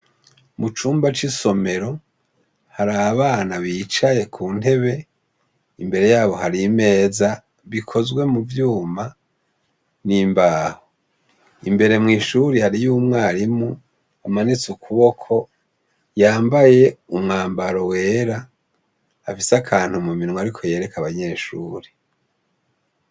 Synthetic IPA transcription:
mut͡ʃuːmbat͡ʃiso̞me̞ɾo̞ | haɾaβaːnaβiːt͡ʃaje̞kʰuːnte̞βe̞ | imbe̞ɾe̞jaːβo̞haɾime̞ːza | βikʰo̞zɡwe̞muvjuːma | niːmbaːho | imbe̞ɾe̞mŋiːʃuɾihaɾijuːmŋaːɾimu | amanit͡sukʰuβo̞kʰo̞ | jaːmbaje̞umŋaːmbaɾo̞we̞ːɾa | afisakʰaːn̥humuminŋoaɾikʰo̞je̞ːɾe̞kaβaɲe̞ːʃuːɾe

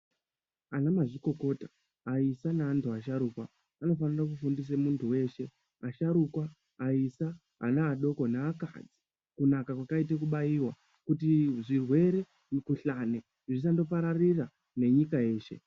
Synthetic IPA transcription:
anamaʐiko̞ko̞ːtaː | isanaantʰuaʃaɾuːkwa | ano̞fanirak̬ufundis̬emuntʰuwe̞ːʃe̞ | aʃaɾukwaː | isa̰ː | naːɗo̞ko̞neaka̰d͡zi | kunakakwakait̬ekuɓaiwa | kutiʐirwe̞ɾe̞ | kuɬane | ʐis̬ando̞paɾarira | ne̞ɲikaje̞ːʃe̞̰

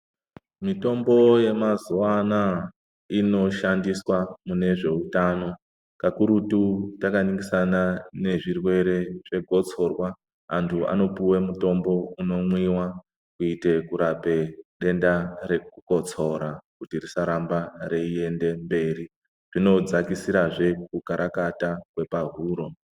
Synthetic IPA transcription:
mito̞mbo̞je̞mazuwana | ino̞ʃandiswamune̞ʐe̞utano̞ | kakuɾututakaniŋɡisanane̞ʐirwe̞ɾe̞ʐe̞ɡʱo̞t͡so̞rwa | antʰua̰no̞puwemuto̞mbo̞uno̞mwiwa | kuite̞kuɾape̞ɗe̞ndaɾe̞kuko̞t͡sʰo̞ɾakutirisaɾambareie̞nde̞mbe̞ːɾi | ʐ̥ino̞d͡zakisiɾaʐe̞kukaɾakatakwe̞paɦuːɾo̞

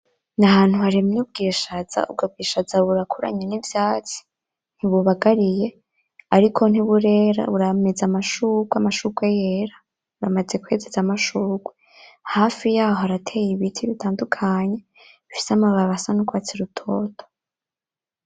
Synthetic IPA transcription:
nahaːn̥huhaɾimnuːb̚ɡiːʃaza̰ṵb̚ɡab̚ɡiːʃazaβuɾakʰuɾa̰ɲenivjaːt͡si̥ | n̥hiβuβaɡaɾije̞ | aɾikʰo̞n̥iβuɾe̞ɾa̰βuɾamezamaʃuɡwamaʃuɡwejeɾa | βuɾamaze̞kwe̞ːzezamaʃuːɡwe | haːfijaːhohaɾatʰe̞jiβitʰiβitʰaːndukʰaɲe̞ | ifi̥samaβaβasanukwaːt͡seɾutʰo̞ːtʰo̥

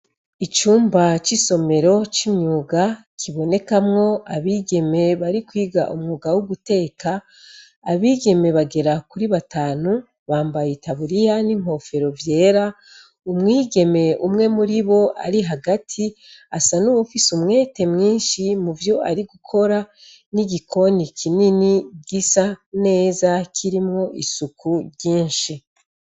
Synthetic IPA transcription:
it͡ʃuːmbat͡ʃiso̞me̞ɾo̞t͡ʃimɲuːɡa | kʰiβo̞ne̞kamŋo̞aβiːɡe̞me̞βaɾikwiːɡa̰ʔumŋuːɡawuɡute̞ːkʰaː | βiːɡe̞me̞βaɡe̞ɾakuɾiβataːnu | βaːmbajitaβuɾijanimho̞fe̞ɾo̞vje̞ːɾa | umŋiːɡe̞me̞umŋe̞muɾiβo̞ʔa̰ɾiɦaɡatʰi | asanuwufisumŋe̞ːte̞mŋiːnʃimuvjo̞ʔaɾiɡukʰo̞ɾa | niɡikʰo̞nikʰininiɡisane̞ːzakʰiɾimŋo̞ʔisukʰuβjiːnʃi

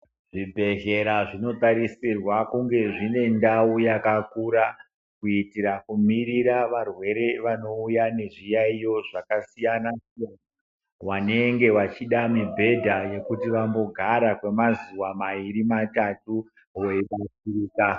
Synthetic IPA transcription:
ʐibʱe̞ɦe̞ɾaʐino̞taɾisirwakuŋɡe̞ʐine̞ndaujakakuɾa | kuitiɾakumiɾiɾaʋarwe̞ɾe̞ʋano̞ujane̞ʐijaijo̞ʐakasijanasijana | wane̞ŋɡe̞wat͡ʃiɗamibʱe̞dʱaje̞kutiʋambo̞ɡʱaɾakwe̞mazuwamaiɾimatatu | weiɓasiriːka

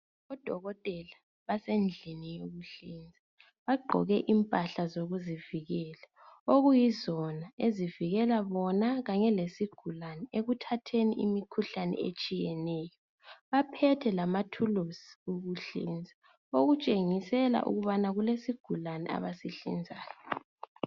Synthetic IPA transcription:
ɔd̥ʱɔɣɔtʼɛla | βasend͡ɮʱinijoɣuɬind͡zʱa | βaɡ͡ǃʱɔ̰ɣɛʔimpʼaɬazoɣuziviɣɛːla | oɣujizɔnaeziviɣɛlaβɔnaɣaɲɛlesiɡ̥ʱulanɛeɣutʰatʰenḭʔimikʰuɬanɛ̰et͡ʃʼijɛnɛːjɔ | βapʰɛtʰɛlamatʰulosi̥uɣuɬḭnd͡zʱa | oɣut͡ʃʼeŋisɛla̰ʔṵɣuβanaɣulesiɡ̥ʱulanɛ̰a̰βasiɬḭnd͡zʱaːjɔ

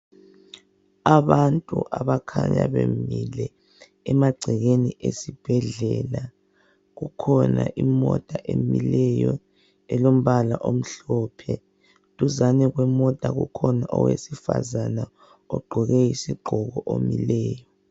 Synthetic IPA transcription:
aβantʼṵʔaβakʰaɲa̰βemilɛː | maɡ͡ǀʱiɣeniʔesib̥ʱɛɮɛla | ɣukʰɔnaʔimɔd̥ʼaʔemilɛjɔ | ɛlom̩βalaʔom̩ɬɔpʰɛ | tʼuzanɛɣwɛmɔd̥ʱʼaɣṵkʰɔnaʔɔwesifa̰zana | ɔɡ͡ǃʱɔɣɛjisiɡ͡ǃʱɔɣɔʔomilɛːjɔ

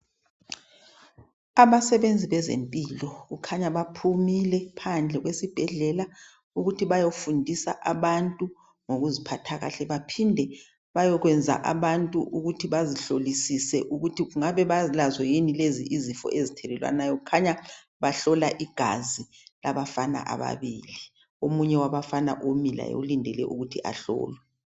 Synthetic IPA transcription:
aβasɛβend͡zʱiβɛzḛmpʼiːlɔɣukʰaɲaβapʰumilɛpʰand͡ɮʱɛɣwesib̥ʱɛɮɛla | uɣutʰiβajofundʱisaʔaβantʼu | ŋoɣuzipʰatʰaɣa̰ɬɛβapʰindʱɛ | βajɔɣwɛnd͡zʱa̰ʔa̰βantʼuʔuɣutʰiβaziɬolisisɛʔuɣutʰiɣuŋaβɛβazilazɔjinileziʔizifɔ̰ʔezitʰɛlɛlwa̰najɔkukʰaɲa | βaɬɔlaʔiɡ̥ʱa̰zi | laβafana̰ʔa̰βa̰βiːli | omuɲɛwaβafana̰ʔomila̰jo̰ulindʱɛlɛ̰ʔuɣutʰiʔa̰ɬɔ̰ːlwɛ

